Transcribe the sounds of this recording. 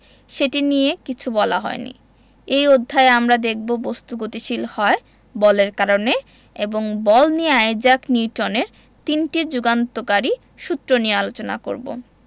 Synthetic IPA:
ʃeʈinijekit͡ɕʰubɔla̰ɦɔ̰enḭ | ejod̪ʱːaeamɾad̪ek̚ʰbobost̪uɡot̪iʃilhɔe | bɔleɾkaɾone | eboŋbɔlnieajd͡ʑakniʈoneɾ | t̪inʈid͡ʑuɡant̪okaɾi | ʃut̪ːɾoniealot͡ɕona̰ko̰ɾbo̰

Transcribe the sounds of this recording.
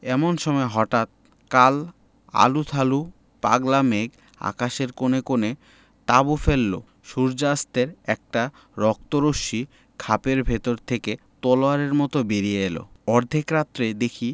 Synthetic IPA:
ɛmonʃɔmɔeɦɔʈat̪̚ | kal | a̰lut̪ʰalu | pa̰ɡlameɡ | a̰kaʃeɾkonekone | t̪abufelːo̰ | ʃuɾd͡ʑast̪eɾɛk̚ʈa | ɾɔk̚t̪oɾoʃi | kʰapeɾbʱet̪oɾt̪ʰeke | t̪ɔloaɾeɾmɔt̪obeɾijeelo̰ɔɾd̪ʱikɾat̪ːɾed̪ekʰi

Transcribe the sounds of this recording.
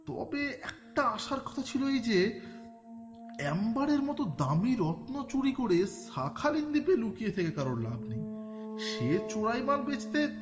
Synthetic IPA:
t̪ɔ̰beɛk̚ʈaaʃaɾkʰɔ̥t̪ʰat͡ɕʰiloejd͡ʑe | ɛmbaɾeɾmɔt̪od̪amiɾɔt̪not͡ɕuɽikoɽeʃ | akʰalind̪ipelukijet̪ʰekekaɾonlabʱnej | ʃet͡ɕoɽajbaɾbed͡ʑt̪e

